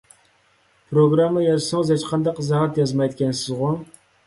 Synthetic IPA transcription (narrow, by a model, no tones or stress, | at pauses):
pʰɾoɡɾɑmːəjɑzsʊŋɨzhɛt͡ʃqʰɑnd̪ɑqzɑɦɑt̪jɑzmɑjd̪kʲɛnsɪzʁʊ